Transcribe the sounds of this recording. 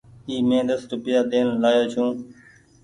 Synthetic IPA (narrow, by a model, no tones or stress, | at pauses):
iːmẽːd̪əsɾʊpɪjaːd̪eːnlaːjoːt͡ʃʰũː